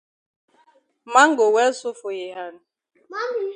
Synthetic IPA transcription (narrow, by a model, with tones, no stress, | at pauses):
ma˦ŋ̩˦ɡo˨wɛ˦sʊ˦fʊ˨je˨ɦa˦nʊ˨